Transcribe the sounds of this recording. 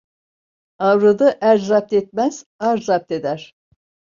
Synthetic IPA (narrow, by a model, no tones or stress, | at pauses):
avɾɯd̪ɯʔæɾd͡ʒɾap̚t̪et̪̚mæz̥aɾɾap̚t̪ed̪æɾ̥